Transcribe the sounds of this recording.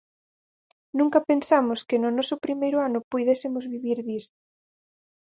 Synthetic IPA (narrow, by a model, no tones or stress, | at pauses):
nũŋkɐpensamʊskɪnʊnɔsʊpɾimejɾʊanʊpujðesemʊzβiβiɾðist̪